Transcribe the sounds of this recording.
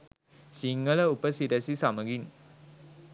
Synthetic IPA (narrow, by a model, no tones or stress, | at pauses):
siŋɡələupəsiɾəsisaməɡin